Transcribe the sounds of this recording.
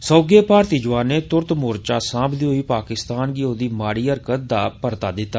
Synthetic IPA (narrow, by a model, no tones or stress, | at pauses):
sɔːɡeːpaːɾt̪iːd͡ʒʊʋaːneːt̪ʊɾt̪mʊːɾt͡ʃaːsãːbd̪iːɦoiːpaːkɪst̪aːnɡiːoːd̪iːmaːɽiːəɾkət̪̚d̪aːpəɾt̪aːd̪ɪt̪ːaː